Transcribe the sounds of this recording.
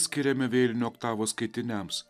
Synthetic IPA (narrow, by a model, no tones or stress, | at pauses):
sʲkʲɪɾʲɛmʲɪʋʲeːlʲɪnʲuːɔkt̪ɑːʋoːskɐɪt̪ʲɪnʲɛms